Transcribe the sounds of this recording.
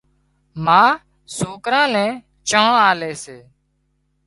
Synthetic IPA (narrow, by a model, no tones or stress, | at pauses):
mãː | suːkɾãːnɛ̃ː | t͡ʃəːãːaːleːseː